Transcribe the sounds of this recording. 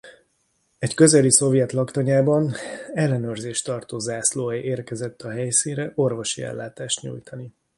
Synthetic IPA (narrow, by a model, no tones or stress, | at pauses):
ɛckø̞zɛliso̞vjɛt̪lɒkt̪ɒɲaːbɒnɛlːɛnøːrzeːʃt̪ɒrt̪oːzaːsloːɛjʔeːrkɛzɛt̪ːɒɦɛjsinrɛʔo̞rvo̞ʃiɛ̰lːaːt̪aːʃt̪ɲṵjt̪ɒni